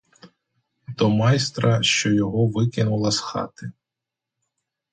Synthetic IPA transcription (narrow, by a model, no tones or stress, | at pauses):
t̪ɔmɑjst̪ɾɐʃt͡ʃɔjɔɦɔʋɪkɪnʊlˠɐsxɑ̰t̪ɪ